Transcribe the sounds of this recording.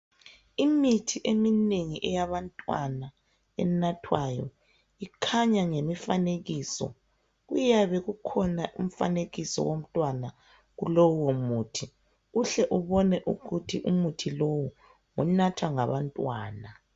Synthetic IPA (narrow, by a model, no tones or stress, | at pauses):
imitʰiʔemineŋiʔɛjaβantʼwana | ɛnatʰwajɔ̰ | ikʰaɲaŋemifaneɣiːsɔ̰ | ɣujaβɛɣukʰɔnaʔum̩fa̰neɣisɔ̰wom̩tʼwana | ɣulɔwwomuːtʰi | uɬɛʔuβɔnɛʔṵɣutʰiʔumutʰilowu | ŋɔnatʰaŋaβantʼwaːna